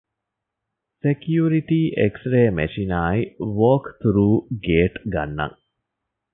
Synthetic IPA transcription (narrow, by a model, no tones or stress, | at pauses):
sekjuːɾiʈiːʔeksɾeːmeʃinaːiʋoːkt̪uɾuːɡeːʈɡɐ̰nːɐ̰ŋ